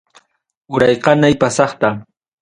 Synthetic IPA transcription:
ʊɾɑjqɑnajpasɑχt̪a

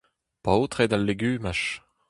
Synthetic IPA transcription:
pawt̪ʁed̪alːeɡyːmaʃ

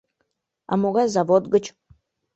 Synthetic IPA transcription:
a̰moɣazavod̪ɡət͡ɕ

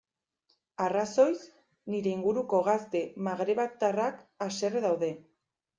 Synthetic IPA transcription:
araso̞js | niɾe̞iŋɡuɾuko̞ɣ̞ast̪e̞maɣɾe̞βak̚t̪arakase̞reðawðe̞

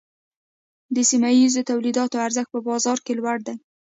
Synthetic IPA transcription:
d̪əsimajizot̪awlid̪ɑt̪oaɾzəxt̪̚pəbɑzɑɾkelwaɽd̪aj

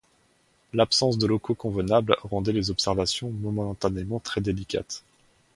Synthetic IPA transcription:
lapsɑ̃s̬d̪əlɔkokɔ̃vənablʁɑ̃d̪ɛlezɔpsɛʁvasjɔ̃mɔmɑ̃t̪anemɑ̃t̪χɛd̪elikʲa̰t̪

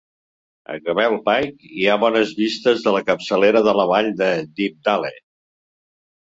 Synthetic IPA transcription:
ə̰ɣəβɛlˠpajkiaβɔnəzβist̪əzðələkəpsəleɾəðələβaʎd̪əd̪ip̚d̪alḛ

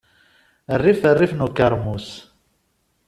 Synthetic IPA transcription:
ərːifərːifnukːaɾˤmus

